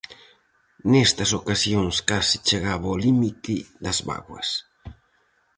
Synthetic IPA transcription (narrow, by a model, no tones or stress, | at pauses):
nest̪ɐsokasjoŋskasi̥t͡ʃeɣaβolimit̪ɪðɐzβa̰ɣwɐ̰s